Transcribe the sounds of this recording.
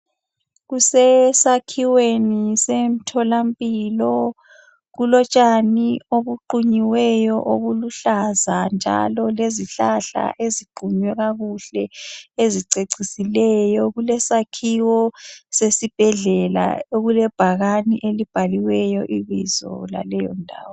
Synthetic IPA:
ɣusɛsakʰiwenisem̩tʰɔlampʼiːlɔ | ɣulɔt͡ʃʼanioβuǃuɲiwɛjɔʔoɣuluɬazand͡ʒʱa̰lɔleziɬaɬa̰ʔeziɡ͡ǃʱuɲwɛɣaɣuɬɛeziǀeǀisilɛjɔɣulɛsakʰiwɔsesib̥ʱɛɮɛla̰oɣulɛb̥ʱaɣanḭʔelib̥ʱaliwɛjɔʔiβizɔ̰la̰lɛjɔ̰ndʱa̰ːwɔ

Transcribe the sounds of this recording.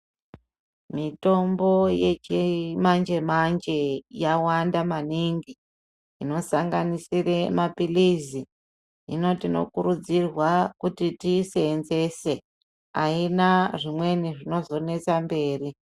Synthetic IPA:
mito̞mbo̞jet͡ʃimand͡ʒe̞mand͡ʒe̞jawandamaniŋɡiː | no̞saŋɡanisiremapilizi | ḭno̞tino̞̰kuɾud͡zirwakutitise̞nze̞se̞ | a̰inaʐimwe̞niʐino̞zo̞ne̞t͡sambe̞ːri

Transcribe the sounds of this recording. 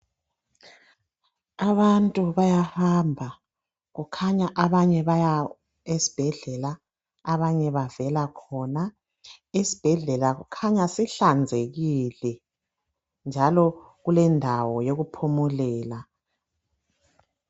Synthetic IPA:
aβantʼuβajahambʱa | ɣukʰaɲaʔaβaɲɛβaja | esi̥b̥ʱɛɮɛlaː | βaɲɛβavɛlakʰɔna | esi̥b̥ʱɛɮɛlaɣukʰaɲasiɬand͡zʱeɣiːlɛ | nd͡ʒʱalɔ | ɣulɛndʱawɔjoɣupʰumulɛːla

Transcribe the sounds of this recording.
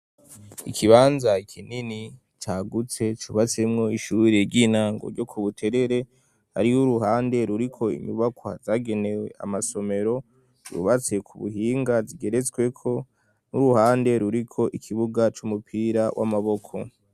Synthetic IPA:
ikʰiβaːnzaikʰinini | t͡ʃaːɡut͡se̞t͡ʃuβat͡se̞mŋo̞iʃuːɾeɾɟiːnaːŋɡo̰ɾɟo̞kʰuβutʰe̞ɾe̞ɾe̞ | haɾiuɾuɦaːnde̞ɾuɾikʰo̞ḭɲuβakwa̰zaːɡe̞ne̞we̞̰ʔa̰maso̞me̞ɾo̞ | t͡ʃṵβat͡se̞kʰuβṵɦiːŋɡaziɡe̞ɾe̞t͡swe̞kʰo̞ | nuɾuhaːnde̞ɾuɾikʰo̞ʔikʰiβuɡat͡ʃumupʰiɾawʔa̰maβo̞kʰo̞̰

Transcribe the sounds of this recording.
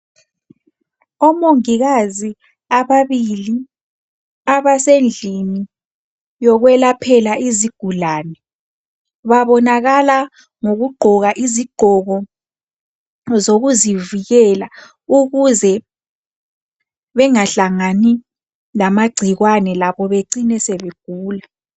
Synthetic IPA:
ɔmoŋiɣazi | aβaβili | aβasend͡ɮʱini | jɔɣwɛlapʰɛlaʔiziɡ̥ʱulaːnɛ | βaβɔnaɣala | ŋoɣuɡ͡ǃʱɔɣaʔiziɡ͡ǃ̥ʱɔɣɔ | zoɣuziviɣɛla | uɣuzɛ | βɛŋaɬaŋani | lamaɡ͡ǀʱiɣwanɛlaβɔβeǀinɛsɛβeɡ̥̚ʱuːla

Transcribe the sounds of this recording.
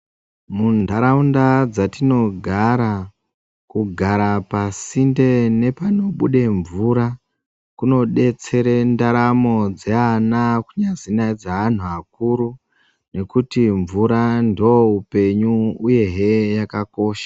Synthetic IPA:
mundʱaɾaundad͡zatino̞ɡʱaɾa | kuɡʱaɾapasinde̞ne̞pano̞ɓuɗe̞ɱvuɾa | kuno̞ɗe̞t͡se̞ɾendaɾamo̞d͡zeanakuɲazinaid͡zaan̤uak̚uɾu | ne̞kutiɱvuɾandioupe̞ɲuuje̞ɦejakako̞ːʃḁ

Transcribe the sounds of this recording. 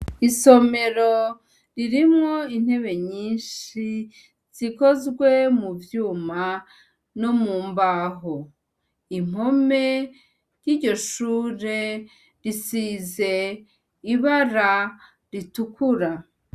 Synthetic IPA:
iso̞me̞ɾo̞ | ɾiɾimŋo̞in̥he̞βe̞ɲiːnʃi | z̥iko̞zɡwe̞muvjuːma | no̞muːmbaɦo | im̥o̞me̞ | jiːɾɟo̞ʃuːɾe̞ | ɾisize̞ | iβaɾa | ɾitukuɾa

